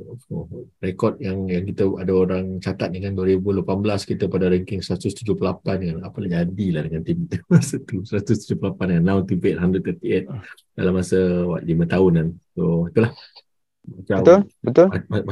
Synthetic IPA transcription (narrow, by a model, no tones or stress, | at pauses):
orekɔt̪̚jaŋjaŋkit̪əadaoɾaŋt͡ʃat̪at̪̚dəŋãnduəɾibulapanbəlaskit̪əpadaɾɛŋkɪŋsəɾat̪ust̪ud͡ʒupəlapandəŋanapəlad͡ʒadilahdəŋant̪imt̪əmasət̪usəɾat̪ust̪ud͡ʒupəlapandəŋanːãwnt̪impɛt̪̚handɾət̪ət̪iɛt̪̚ | dalamːasəwa̰t̪̚limə̃t̪aʊnansoit̪ulah | mat͡ʃat̪ʊlbət̪ʊama